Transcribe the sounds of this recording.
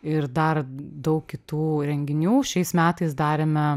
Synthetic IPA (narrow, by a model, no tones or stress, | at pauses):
ɪɾd̪ɐɾd̪ɐʊkkʲɪt̪uːɾʲɛŋʲɡʲɪnʲuːʃʲɛɪsmʲæːt̪ɐɪsd̪ɑːɾʲemʲɛ